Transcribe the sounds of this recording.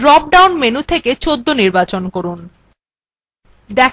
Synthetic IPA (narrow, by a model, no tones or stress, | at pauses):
lɔk̚ɖawnmenut̪ʰeket͡ɕod̪ʱːoniɾbat͡ɕonkoɾun | d̪ɛ